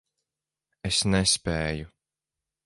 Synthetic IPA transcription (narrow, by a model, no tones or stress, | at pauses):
esnɛspɛːju